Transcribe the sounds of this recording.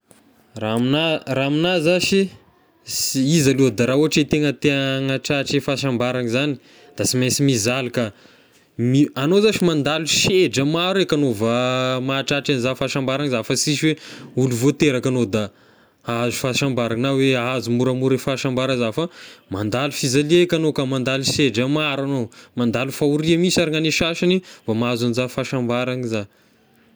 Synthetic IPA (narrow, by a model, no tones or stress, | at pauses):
raminaraminazaʃi | sizaluəd̪aɾauɦaʈ͡ʂet̪eŋət̪eŋaʈ͡ʂaʈ͡ʂefaʃambaɾaŋzani̥ | d̪̥asimesimizaluka | mianozaʃimand̪aluʃeɖ͡ʐəmaɾekanovəmaʈ͡ʂaʈ͡ʂanizafaʃambaɾaŋzafəsiʃiweuluvot̪eɾakanod̪a | azu̥faʃambaɾaŋnaweazumuɾamuɾefaʃambaɾəzafamand̪alufizaliekʲanokamand̪aliʃeɖ͡ʐəmaɾanomand̪alufauɾiamisaɾiŋaneʃaʃinivamaazanizafaʃambaɾaŋiza